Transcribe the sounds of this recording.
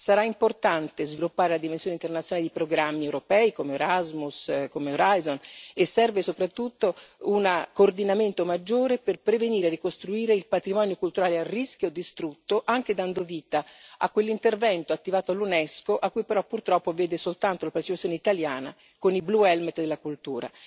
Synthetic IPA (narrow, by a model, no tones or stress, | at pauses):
saɾaimport̪ant̪ezvilupːaːɾelad̪imensjoːneint̪ernat̪sːjnaled̪ipɾoɡɾamːiɛwɾopɛikomeoɾazmuskomeoɾajzonesːɛrvesopɾat̪ːut̪ːounakoːrd̪inament̪omad͡ʒːoːɾeperpɾeveniːɾerːikost̪ɾuiːɾeilpat̪ɾimɔːnjokult̪uɾaːlearːiskjod̪ist̪ɾut̪ːoʔaŋk̟ed̪and̪oviːt̪aa̰kːwelːint̪ervɛnt̪oat̪ːivaːt̪oalːunɛskoʔakːujpeɾɔpːurt̪ɾɔpːovɛːd̪esolt̪ant̪olapaɾt̪t͡ʃipaːoneit̪aljaːna | konibluɛlmɛt̪d̪elːakult̪uːɾa̰